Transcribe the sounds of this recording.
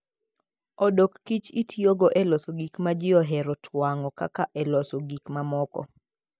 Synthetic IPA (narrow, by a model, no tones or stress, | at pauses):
odokːit͡ʃitʰjoɡoʔɛlɔsoɡikmad͡ʒɪɔɦɛɾɔtʰwaŋɔka̰kaʔɛlɔsoɡikmamɔkɔ̰